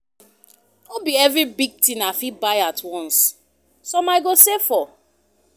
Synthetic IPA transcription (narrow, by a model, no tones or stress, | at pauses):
obiɛvɹibiɡ̚tĩnafibaɪatʰwɔ̃ns | sɔmaɪɡosefɔ